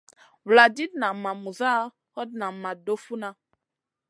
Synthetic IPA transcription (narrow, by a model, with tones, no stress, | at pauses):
wla˨di˦dna˨ma˨mu˨za˦ | hɔ˦d̚na˨ma˨do˦fu˦nã˦